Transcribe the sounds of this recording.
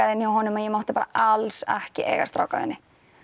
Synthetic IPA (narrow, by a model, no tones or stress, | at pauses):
aðɪnːjawɦɔːnʏmajɛmawht̪ɪ̥paːɾa̰ʔalsɛhcɪʔḛːɣa̰st̪ɾa̰ːwka̰vɪ̰nːɪ